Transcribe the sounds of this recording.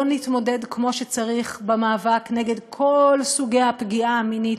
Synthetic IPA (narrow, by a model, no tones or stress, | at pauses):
nitmo̞de̞dkmo̞ʃet͡saʁiχbemaːvakneɡe̞dkʰo̞lsuɡejapɡiaminit